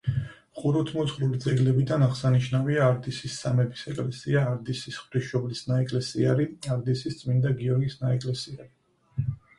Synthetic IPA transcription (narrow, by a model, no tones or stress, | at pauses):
χuɾɔt̪ʰmɔt̪sχɾulid̪zɛɡlɛbid̪anaʁsaniʃnaviaːɾd̪isisːamɛbisɛkʼlɛsiaːɾd̪isisχvɾiʃɔblisnaɛkʼlɛsiaɾiaɾd̪isist̪sʼmind̪aɡiɔɾɡisnaɛkʼlɛsiaɾi